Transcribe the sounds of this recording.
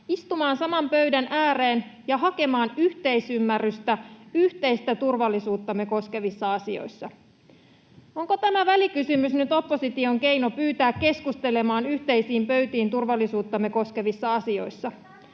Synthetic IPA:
ist̪umɑːnsɑmɑmpø̞ɥdænʔæːɾe̞ːnjɑɦɑke̞mɑːnyht̪e̞isymːærːyst̪æyht̪e̞jst̪æt̪urʋɑlːisuːt̪ːɑmːeko̞ske̞ʋisːɑɑsio̞̰jsːɑ | oŋko̞t̪æmæʋælikysymysnyt̪o̞pːo̞sit̪io̞ŋke̞jno̞pyːt̪æːkkːe̞skust̪e̞le̞mɑːnyht̪e̞jsiːmpø̞ɥt̪iːnt̪urʋɑlːisuːt̪ːɑmːeko̞ske̞ʋisːɑɑsio̞̰jsːɑ

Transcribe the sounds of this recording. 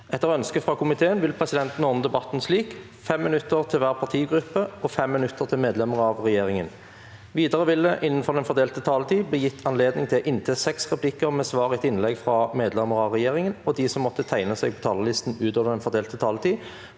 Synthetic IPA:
ɛt̪ːəʁœnskəfʁɑkʊmɪt̪ʰeːənʋɪlpʰʁɛsɪd̪ɛnt̪n̩ɔʁnəd̪ɛbɑt̪n̩sliːk | fɛmːɪnʉt̪ːəʁt̪ʰɪlʋæːʁpʰɑʁt̪ʰiːɡʁʉpːəɔfɛmːɪnʉt̪ːəʁt̪ʰɪlmeːd̪lɛməʁɑʋʁɛjeːʁɪŋən | ʋiːd̪əʁəbɪlːəʔɪnːən̩fɔʁd̪ɛnfɔʁd̪eːlt̪ət̪ʰɑːlət̪ʰiːbəjɪt̪ʰːɑnleːd̪nɪŋt̪ʰɪlʔɪnt̪ʰɛsɛksʁɛpʰlɪkəʁmɛːsʋɑːʁɪɛt̪ɪnlɛɡfʁɑmeːd̪lɛmːəʁəɑʋʁɛjeːʁɪŋənɔd̪iːsɔmːɔt̪ːət̪ʰæɪnəsɛːɡ̚pʰɔ̥t̪ʰɑːləlɪst̪n̩ʉːt̪oːʋəʁd̪ɛnfɔʁd̪eːlt̪ət̪ʰɑːlət̪ʰiː

